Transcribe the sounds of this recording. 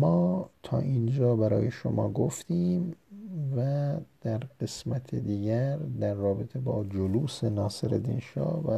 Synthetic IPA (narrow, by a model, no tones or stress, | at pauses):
mɒːt̪ʰɒ̰ːʔind͡ʒɒːbæɾɒ̰ːjeʃo̰mɒ̰ːɡoft̪ʰiːmvæd̪̥æɾɢe̞smæt̪ʰed̪iːɟæɾd̪æɾːɒːbet̪ʰe̞bɒːd͡ʒoluːsenɒːseɾed̪ḭnʃɒ̰ːvæ